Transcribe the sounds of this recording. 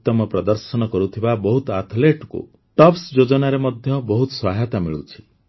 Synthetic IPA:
t̪ɔmɔpɾɔd̪ɔɾsɔnɔkɔɾut̪ʰibabɔɦut̪at̪ʰleʈkṵ | ʈɔpsd͡ʒod͡ʒɔnaɾemɔd̪ʱjɔbɔɦut̪ɔ̥swaɦat̪amiɭṵt͡ʃʰi̥

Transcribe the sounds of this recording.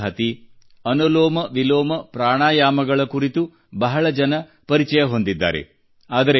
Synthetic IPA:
ɦɐt̪i | ɐnoloːmɐʋiloːmɐpɾaːɳaːjaːmɐɡɐɭɐkuɾit̪u | bɐɦɐɭɐd͡ʒɐnɐ | pɐɾit͡ʃɐjɐɦo̞nd̪id̪ːa̰ːɾe̞̰ | aːd̪ɐɾe

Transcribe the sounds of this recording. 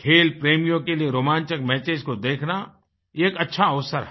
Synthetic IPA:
kʰeːlpɾeːmijõkelieɾoːmãːnt͡ʃɪk̚mɛːt͡ʃeːd͡ʒkod̪eːkʰna | eːkɐtːʃʰaɐʋsəɾɦɛ

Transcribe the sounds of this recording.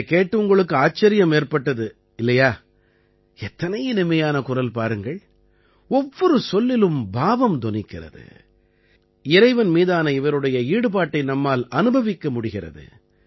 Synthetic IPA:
keːʈːɯʊŋɡɐɭɯkːɯaːt͡ʃːɐɾɪjɐmeːrpɐʈːɐðɯ | ɪlːɐjaː | ɛt̪ːɐnɐjɐnɪmɐjaːnɐkʊrɐlpaːɾɯŋɡɐɭ | ɔʋːɔɾɯsɔlːɪlɯmbaːʋɐmd̪ɔnɪkːɪrɐ̰ðɯ̰ | ɪɾɐɪʋɐnmiːðaːnɐɪʋɐɾɯɽɐjɐiːɽɯpaːʈːɐɪnɐmːaːlɐnɯbɐʋɪkːɐmʊɽɪɣɪrɐ̰ðɯ̰

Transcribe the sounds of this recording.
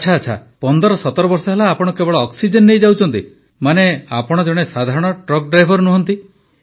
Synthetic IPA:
t͡ʃʰaːt͡ʃʰa̰pɔnd̪ɔɾɔsɔt̪ɔɾɔbɔɾsɔɦelaːpɔɽ̃ɔkebɔɭɔːksid͡ʒenːejd͡ʒawt͡ʃʰɔnt̪i | manea̰pɔɽ̃ɔd͡ʒɔɽ̃esad̪ʱaɾɔɽ̃ɔʈɾɔk̚ɖɾajbʱɔɾnuɦɔnt̪i

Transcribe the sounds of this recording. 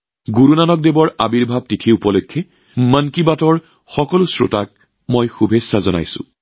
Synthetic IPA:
ɡuɹunanɔk̚debɔɹabiɹbʱab̚titʰiupɔlɔjkʰːɛ | mankibatɔɹ | xɔkɔlʊsɹo̰tak̚ | mojxubʱesːazɔna̰jsʊ̰̃

